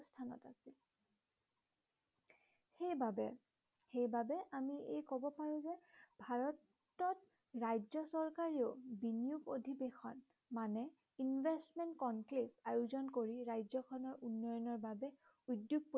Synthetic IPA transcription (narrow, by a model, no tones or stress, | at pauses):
stʰanɔ̰ta̰sil | xejbabɛ | xejbabɛʔamiejkɔbɔpaɹʊ̃zɛbʱaɹɔtː | ɔt | ɹajzɔsɔɹkaɹiʊbinijukodʱibexʰɔn | manɛ | invʱestmɛntkɔnklipajuzɔnkoɹiɹajzɔkʰɔnɔɹʔunːɔjɔnɔɹbabɛ | udjuɡ̚po